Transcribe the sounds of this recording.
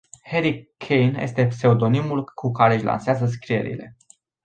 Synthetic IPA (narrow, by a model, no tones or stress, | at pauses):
heɾikʰejnje̞̰st̪e̞pse̞od̪o̞nimulkʰukaɾe̞ɨʃʲla̰nseazəs̬kɾije̞̰ɾḭle̞̰